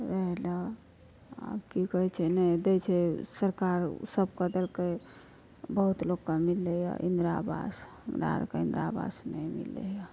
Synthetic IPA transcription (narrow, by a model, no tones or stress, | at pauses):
ɾəɦla | a̰bkikəɦɛt͡ʃʰɛnɛd̪ɛt͡ʃʰɛsəɾkaɾsəb̚kəd̪elke | bəɦut̪loɡkːamilːeja̰ʔḭnd̪ɾa̰ba̰sɦəmɾa̰ɾkeĩnd̪ɾaba̰snɛjmḭlːḛja